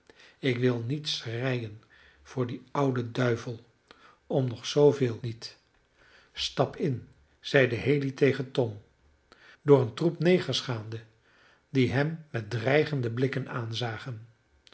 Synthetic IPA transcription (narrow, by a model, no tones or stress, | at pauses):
ɪkʋɪlˠnitsrɛjən | v̥ʊːɹdiʌwdədœɥvəlˠ | ɔmnɔχsowvɪːlˠnit | stɑpʰɪn | z̥ɛjdəɦejlitejχəntɔm | dʊːɹəntrupnejχəsχaːndə | diɦɛmːɛt̚drɛjχəndəblɪkənaːnzaːχən